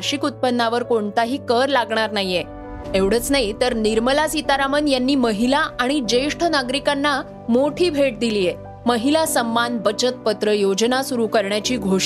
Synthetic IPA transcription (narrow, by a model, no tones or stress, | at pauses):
ɾɕikut̪̚pənːaʋəɾkoɳt̪aɦiːkəɾlaɡɳaɾnaje | eʋɽ̤əːt͡snait̪əɾniɾməlasit̪aɾamənjanːiːməɦilaʔaɽ̃id͡ʑeʂʈʰənaɡɾikanːa | moʈʰiːbʱeʈ̚d̪iliːje | məɦilasəmːanbət͡ɕət̪̚pət̪ɾəjod͡ʑnasuɾukəɾɳjat͡ɕiːɡʱoʂ